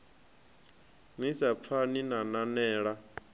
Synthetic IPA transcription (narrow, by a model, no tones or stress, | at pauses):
misap̪fʰaninananɛːɺa